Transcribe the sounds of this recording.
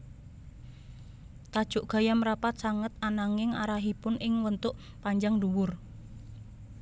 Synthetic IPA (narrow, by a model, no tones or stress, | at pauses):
t̪ad̥ʒ̥ʊʔɡ̥a̤jamɾapat̪̚saŋət̪̚anaŋɪŋa̰ɾaɦipʊnɪŋwənt̪ʊʔ | paɲd͡ʒaŋduwʊr